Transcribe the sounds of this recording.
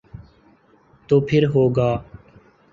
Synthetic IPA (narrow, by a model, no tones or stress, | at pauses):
t̪oːpʰɪɾɦoːɡaː